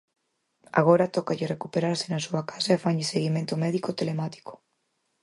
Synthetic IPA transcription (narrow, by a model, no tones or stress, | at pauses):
a̰ɣ̞oɾat̪ɔkaʎɪrekupeɾaɾsɪnasuakḁsaefaɲʎɪseɣimẽnt̪omɛðikot̪elemat̪i̥ko̥